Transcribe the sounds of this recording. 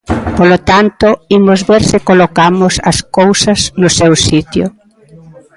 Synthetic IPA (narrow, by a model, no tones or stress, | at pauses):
polot̪ant̪ʊimʊzβeɾsɪkolokamʊsɐskowsɐznʊsɛwsit̪jʊ̰